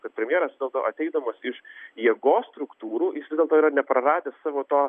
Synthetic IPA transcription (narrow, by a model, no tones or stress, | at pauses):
kɐt̪̚pʲɾʲɛmʲjeɛːɾɐsʋʲɪdʲɛlˠt̪oʊʔɐt̪ʲɛɪd̪ɐmɐsɪʃjiɛɡoːsst̪ɾʊkt̪uːɾuːjɪsʋʲɪzdʲɛlˠt̪oːiːɾɐnʲɛpɾɐɾɑːd̪ʲeːssɑːʋoːt̪oː